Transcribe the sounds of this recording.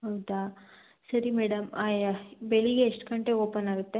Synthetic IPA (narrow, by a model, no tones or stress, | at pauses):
ɦɐwd̪a | sɐɾimeːɽɐmabeɭiɡeːʂʈkɐɳʈeoːpɐnaːɡut̪ːe